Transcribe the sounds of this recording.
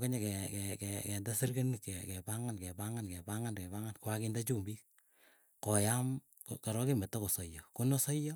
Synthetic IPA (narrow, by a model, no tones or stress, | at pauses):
keɲekɛkɛkɛkɛndasirkenikɛkɛpaŋankɛpaŋankɛpaŋankɛbaŋankwakindat͡ʃumbi | kɔjam | kkaɾɔkemɛtːakosɔjɔkonɔsɔjɔ